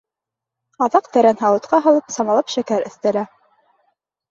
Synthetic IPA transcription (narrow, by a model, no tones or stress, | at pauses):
ɑðɑqt̪æɾænɦɑw̪ˠɤ̆t̪qɑɦɤ̆lˠɤpsɑmɑlˠɑpʃækæɾɘ̆θt̪æ̆læ